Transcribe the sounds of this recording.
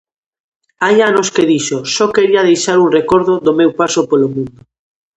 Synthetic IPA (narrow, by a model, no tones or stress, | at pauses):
ajanoskeðiʃosɔkeɾiaðejʃaɾuŋrekɔɾðoðomewpasopolomũnd̪o